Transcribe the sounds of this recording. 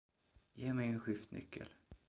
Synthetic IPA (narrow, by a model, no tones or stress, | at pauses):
jeːmɛjɛnɧʏft̪nʔʏ̰kʰːə̰l